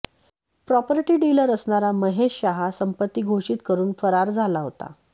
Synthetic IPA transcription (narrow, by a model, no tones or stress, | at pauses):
pɾɔpɾiʈiːɖiləɾəsɳaɾaməɦeɕːaɦasəmpət̪ːiːɡʱoʂiːt̪kəɾuːnfəɾaɾd͡zʱalaɦot̪a̰